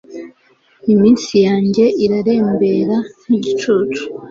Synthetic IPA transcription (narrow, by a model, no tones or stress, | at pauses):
imiːnsijaːɲɟe̞ʔiɾaɾe̞ːmbe̞ɾan̥iɟit͡ʃut͡ʃu̥